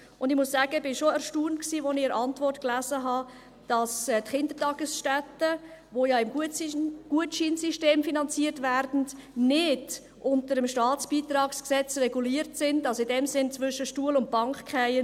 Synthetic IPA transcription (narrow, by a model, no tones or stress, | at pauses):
ʔʊndɪχmʊsːæːɡ̥əb̥ɪnʃoɛɾʃtuːntksiːvonɪɛɾʔɑntvɔrtklæːzəɦɑ | d̥ɑsɛtχɪndətɑɡ̥əsʃtɛtəvoːjɑːɪmɡ | ɡ̥uətʃiːnsiʃteːmfinɑnt͡siːəɾtvæːɾdn̩dnɪd | ʔʊntəɾəmʃtɑːt͡sb̥iːtɾɑːksksɛt͡srɛɡuliːɾtsɪndɑlsoɪdɛmsɪnt͡svʏʃəʃtuəlʊnt̚b̥ɑŋkχkχɛɪə